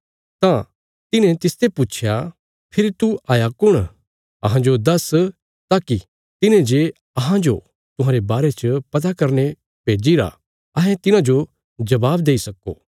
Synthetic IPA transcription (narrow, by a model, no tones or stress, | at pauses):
t̪ã | t̪ɪnẽt̪ɪst̪epʊt͡ʃʰja | pʰɪɾit̪uaːjakʊɽ̃ | ɐɦãd͡ʒod̪ɐs | t̪aːki | t̪ɪnẽd͡ʒe | ɐɦãd͡ʒo | t̪ʊ̃ɦãːɾebaːɾet͡ʃəpɐt̪̬akɐɾne | peːd͡ʒiɾa̰ | ɐɦɛ̃t̪ɪnãd͡ʒo | d͡ʒɐbaːbd̪eːisɐko̰ː